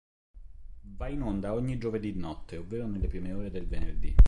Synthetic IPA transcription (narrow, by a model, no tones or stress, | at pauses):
vainond̪aɔɲːid͡ʒoved̪id̪nɔt̪ʰːeovːeːɾonelːepɾiːmeoːɾed̪elvenerd̪ḭ